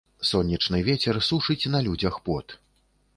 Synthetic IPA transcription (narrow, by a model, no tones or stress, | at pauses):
sɔnʲːɐt͡ʂnɨvʲet͡sʲɛrsuʂɨt͡sʲnɐlʲud͡zʲɐxpɔt̪